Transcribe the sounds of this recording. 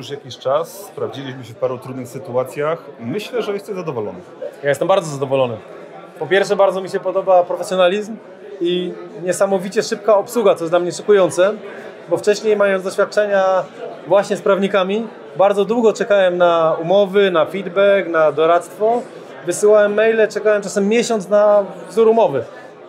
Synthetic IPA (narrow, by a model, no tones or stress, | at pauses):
juʂjakʲiɕt͡ʂasːpɾavd͡ʑilʲiɕ̬mɘɕɛfpaɾut̪ɾud̪nɘxsɘt̪uat̪sʲjaxmɘɕlɛʐɛjɛst̪ɛmzad̪ɔvɔlɔ̰nɘ | jajɛst̪ɛmbaɾd̪zɔzad̪ɔvɔlɔnɘ̰ | pɔpʲjɛɾfʂɛbaɾd̪zɔmʲiɕɛpɔd̪ɔbapɾɔfɛsʲjɔnalʲizm | iɲɛsamɔvʲit͡ɕɛʂɘp̚kaɔpswuɡat̪ɔjɛzd̪lamɲɛʂɔkujɔnt̪sɛ | bɔft͡ʂɛɕɲejmajɔnzd̪ɔɕfʲjat̪̚t͡ʂɛɲavwaɕɲɛspɾavɲikamʲi | baɾd̪zɔd̪wuɡɔt͡ʂɛkawɛmnaumɔvɘnafʲid̪bɛknad̪ɔɾat̪st̪fɔ | vɘsɘwawɛmːɛjlɛt͡ʂɛkawɛmt͡ʂasɛmːʲjɛɕɔnt̪snavzuɾumɔvɘ